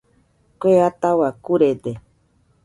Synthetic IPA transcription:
kʷeat̪awakuɾed̪e

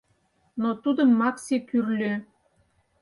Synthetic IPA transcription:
not̪ud̪ə̆mːɑksekyrlʲø

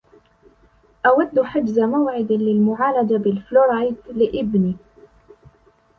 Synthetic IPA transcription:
ʔawad̪ːħad͡ʒzamawʕɪd̪lɪlmʊʕaːlad͡ʒabɪlfloɾajt̪lɪʔɪbniː

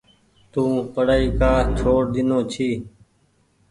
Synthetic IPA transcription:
t̪ũːpəɽaːiːkaːt͡ʃʰoːɽɗ̪ɪnõːt͡ʃʰiː

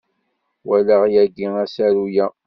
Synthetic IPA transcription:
wælæʁjæɡiŋæsæɾujæ

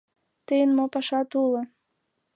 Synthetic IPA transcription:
t̪əjənmopɑʃɑt̪ulŏ

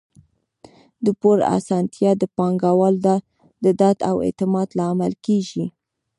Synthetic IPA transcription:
d̪əpoɾa̰sɑnt̪ʰjɑd̪əpɑŋɡawɑld̪ɑ | d̪əd̪at̪awḛt̪ɪmɑd̪lɑːmalkeʒi

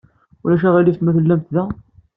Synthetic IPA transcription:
ulæʃ̬æʁæliθmæθəlːæmt̪ðæ

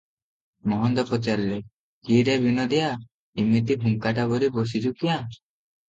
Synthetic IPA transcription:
mɔɦɔnd̪ɔpɔt͡ʃaɾle | kiɾebinɔd̪ija | imit̪ibʱuŋkaʈabɔɾibɔsid͡ʒukija

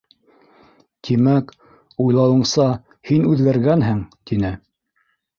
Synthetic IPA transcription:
t̪ʰimæk | ujlˠɑwɤ̆ɴsɑ | hinʉðɡæɾɡænɦɘŋt̪inɘ

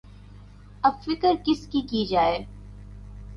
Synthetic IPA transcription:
ɐbfɪkəɾkɪskikid͡ʒaːeː

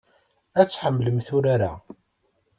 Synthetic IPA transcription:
æt͡sːħəmːləmθʊɾaɾa̰

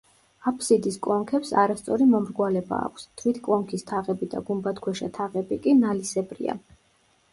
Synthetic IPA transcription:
apʰsid̪iskʼlˠɔŋkʰɛpsaɾast̪sʼɔɾimɔmɾɡwalɛba̰ːkʷʰst̪ʰvit̪ʰkʼlˠɔŋkʰist̪ʰaʁɛbid̪a̰ɡumbat̪ʰkʰwɛʃat̪ʰaʁɛbikʼinalisɛbɾḭa̰

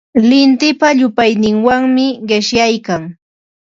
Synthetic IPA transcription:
lɪnt̪ɪpaʎʊpajnɪŋwaŋmɪɢɪʃjajkaŋ

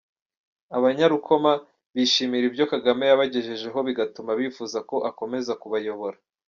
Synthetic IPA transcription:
aβaɲaɾukʰo̞ma | βiʃiːmiɾibjo̞kaɡamejaβaɟe̞ʒe̞ʒe̞ɦo̞βiɡatumaβiːfuːzako̞ʔako̞me̞zakuβajo̞βo̞ɾa

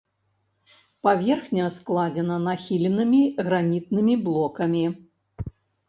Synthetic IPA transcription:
pavʲɛrxnʲɐsklˠad͡zʲɛnɐnaxʲilʲɛnɨmʲiɣɾanʲit̪̚nɨmʲiblˠɔkɐmʲi

